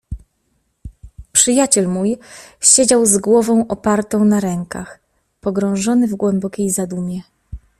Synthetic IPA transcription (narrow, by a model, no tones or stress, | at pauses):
pʂɘjat͡ɕɛlmujɕed͡ʑawzɡwɔvɔ̃w̃ʔɔpaɾt̪ɔ̃w̃naɾɛŋka̰x | pɔɡɾɔ̃w̃ʐɔnɘvɡwɛmbɔkʲejzad̪umʲjɛ